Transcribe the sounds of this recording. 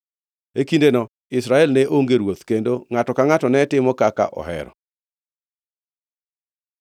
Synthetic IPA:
ekindenɔ | ɪsɾaɛlnɛʔoŋɡeɾwot̪kendoŋatɔkaŋatɔnɛtɪmɔkaka̰ʔɔ̰hɛ̰ɾɔ̰

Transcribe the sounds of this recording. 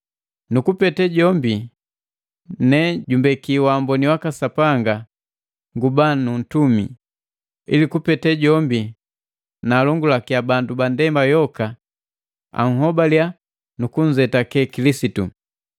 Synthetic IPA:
nukupɛtɛɟɔmbi | nɛɟumbɛkiwaːmbɔniwakasapaŋɡa | ŋɡubanun̩tumḭ | ḭlikupɛtɛɟɔmbi | naːlɔŋɡulakiabandubandɛmbajɔka | a̰ŋ̩ɦɔbalja | nukuɲ̩d͡ʒɛtakɛkilisitu

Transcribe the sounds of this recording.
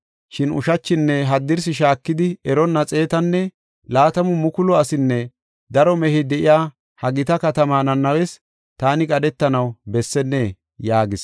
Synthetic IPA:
ʃɪnʊ̰ʃɐt͡ʃːɪnːɛɦɐd̪ːɪɾs̬ɪʃaːkːɪd̪ɪɛɾɔnːɐt͡sʼe̞ːt̪ɐnːɛ | laːt̪ɐmʊmʊkʊlɔɐsɪnːɛ | d̪ɐɾɔmɛhɪd̪ɛʔɪjaː | hɐɡɪt̪ɐkɐt̪ɐmaːnɐnːɐwɛs | t̪aːnɪkʼɐdɛt̪ːɐnɐwbɛsːɛnːɛ | jaːɡɪs

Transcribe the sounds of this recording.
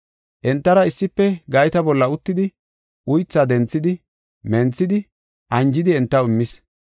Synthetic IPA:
ʔɛnt̪ːɐɾɐɪsːɪpːɛɡɐjt̪ɐbɔlːɐʊt̪ːɪd̪ɪ | ʔʊjt͡sːɐd̪ɛnt͡sːɪd̪ɪ | mɛnt͡sːɪd̪ɪ | ʔɐnd͡ʒɪd̪ɪɛnt̪ːɐwɪmːɪs

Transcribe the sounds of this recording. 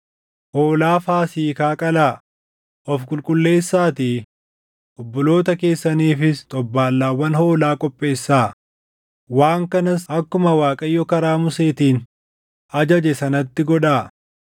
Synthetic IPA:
hoːlaːfaːsiːkaːkʼɐlaː | ʔɔfkʼʊlkʼʊlːe̞ːsːaːt̪i | ʔɔbːɔlo̞ːt̪ɐke̞ːsːɐniːfɪst̪ʼɔbːaːlːaːwːɐnhoːlaːkʼɔpʼːe̞ːsːaː | waːŋkɐnɐsɐkːʊmɐwaːkʼɐjːɔkɐɾaːmʊse̞ːt̪iːn | ɐd͡ʒɐd͡ʒɛsɐnɐt̪ːɪɡɔᶑaː

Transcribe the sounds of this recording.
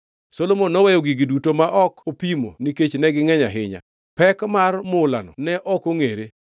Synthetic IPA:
solomonɔwɛjoɡiɡidutomaʔɔkopimo̰niket͡ʃnɛɡɪŋɛɲaɦɪɲa̰ | pɛkmarmʊla̰nɔ̰nɛʔɔkoŋeɾe

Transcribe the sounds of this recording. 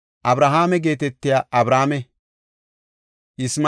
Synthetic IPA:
ʔɐbɾɐɦaːmɛɡe̞ːt̪̬ɛt̪ːɪjaʔɐbɾaːmɛ | ʔɪsm

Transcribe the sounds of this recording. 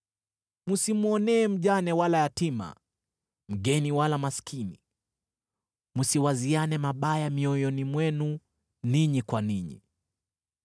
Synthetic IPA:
musimuɔnɛːm̩ʄanɛwalajatima̰ | m̩ɠɛniwalamaskʰini | musiwazianɛmaɓajamiɔjɔnimwɛnu | niɲikwaniɲḭ

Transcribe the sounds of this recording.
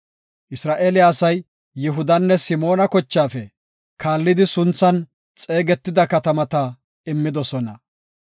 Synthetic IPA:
ʔɪsɾaːʔeːlɪjaːsɐjː | ɪɦʊd̪ɐnːɛsɪmo̞ːnɐkɔt͡ʃːaːfɛ | kaːlːɪd̪ɪsʊnt͡sːɐn | t͡sʼe̞ːɡɛt̪ːɪd̪ɐkɐt̪ɐmɐt̪ɐ | ɪmːɪd̪ɔsɔnɐ

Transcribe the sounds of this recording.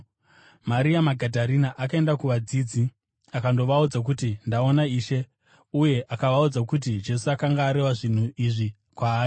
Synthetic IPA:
maɾiamaɡʱadʱaɾinaʔakae̞ndakuʋad͡zid͡zi | akando̞ʋaud͡zak̬utindao̞naiːʃe̞ | uje̞ʔakaʋaud͡zakut̬id͡ʒe̞suakaŋɡaːɾe̞waʐin̤uʔiʐi | kwaːi

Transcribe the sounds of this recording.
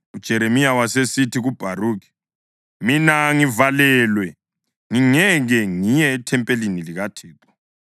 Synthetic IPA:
ud̥ʒ̥ʱɛɾemijawasesitʰiɣub̥ʱaruːk̬i̥ | minaŋivalɛlwɛ | ŋiŋɛɣɛŋijɛːtʰɛmpʼeliniliɣatʰɛːtʰʼḁ

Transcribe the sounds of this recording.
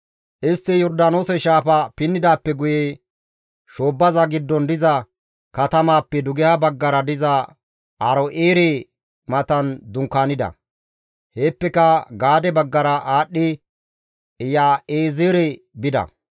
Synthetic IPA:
ʔɪst̪ːɪjɔɾd̪ano̞ːsɛʃaːfɐpɪnːɪd̪aːpːɛɡʊje | ʃo̞ːbːɐzɐɡɪd̪ːɔnd̪ɪzɐ | kɐt̪ɐmaːpːɛd̪ʊɡɛhɐbɐɡːɐɾɐd̪ɪzɐ | ʔɐɾɔʔeːɾe | mɐt̪ɐnd̪ʊŋkːaːnɪd̪ɐ̰ | heːpːɛkɐɡaːd̪ɛbɐɡːɐɾɐʔaːɗːɪ | ɪjaːeːzeːɾɛ | bɪd̪ɐ̰

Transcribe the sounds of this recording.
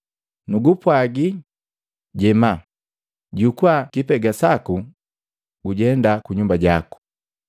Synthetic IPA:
nuɡupwaɡi | ɟɛma | ɟukuakipɛɡasaku | ɡuɟɛndakuɲumbaɟaku̥

